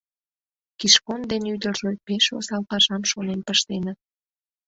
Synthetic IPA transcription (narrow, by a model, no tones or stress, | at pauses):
kiʃkond̪enyd̪ərʒepeʃo̰sɑlpɑʒɑmʃonenpəʃt̪enə̆